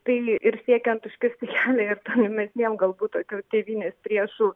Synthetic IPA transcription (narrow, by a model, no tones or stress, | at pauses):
t̪ɐɪɪɾsʲiɛkʲɛnt̪ʊʃʲkʲɪsʲɪkʲæːlʲɛɪɾt̪oːnʋʲɪmʲɛsʲnʲiɛmɡɐlˠbuːt̪oːkʲoːt̪ʲeːʋʲiːnʲeːspʲɾʲiɛʃuː